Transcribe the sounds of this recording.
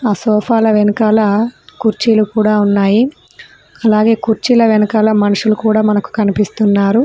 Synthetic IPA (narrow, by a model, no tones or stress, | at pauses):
aːsɔːpʰaːlɐʋenɐkaːlɐkuɾt͡ʃiːlukuːɽaːunːaːji | ɐlaːɡe̞ːkuɾt͡ʃiːlɐʋenɐkaːlɐmɐnuʂulukuːɽaːmɐnɐku̥kɐnipist̪unːaːɾu